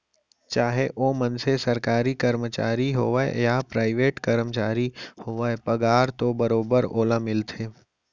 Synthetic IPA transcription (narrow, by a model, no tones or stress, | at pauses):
t͡ʃaːɦeʔoːmənsesɐɾkaːɾikəɾmət͡ʃa̰ːɾiɦoːʋə̰japɾaːɪʋeːʈkəɾmt͡ʃaːɾihoːʋəpəɡaːɾt̪obəɾoːbəɾoːlamɪlt̪ʰeː